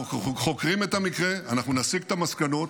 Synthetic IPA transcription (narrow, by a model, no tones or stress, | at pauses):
χo̞kʁimetamikʁeanaχnunasiɡt̪amaskano̞t